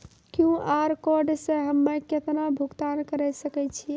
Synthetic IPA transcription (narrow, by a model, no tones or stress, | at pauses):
kjũʔaɾkoɾɖseɦəmːeket̪nabʱuɡt̪ankəɾɛsəkɛt͡ʃʰi